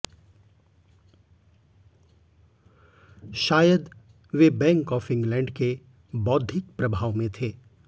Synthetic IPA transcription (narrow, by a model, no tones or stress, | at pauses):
ʃaːjəd̪ | ʋebɛ̃ːŋkɔːfɪ̃ŋɡlɛ̃ːɳɖke | bɔːd̪ʱɪk̚pɾɐbʱaːʋmẽt̪ʰeː